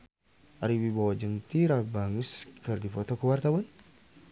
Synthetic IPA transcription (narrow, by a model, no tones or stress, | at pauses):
ʔaɾiwibawad͡ʒəŋt̪iɾabaŋəskɨrdipɔt̪ɔkəwart̪awan